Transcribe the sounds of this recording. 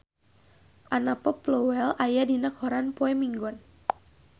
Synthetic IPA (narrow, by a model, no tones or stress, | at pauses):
ʔanapɔplɔwɛlajadinakhɔɾanpɔɛmiŋɡɔn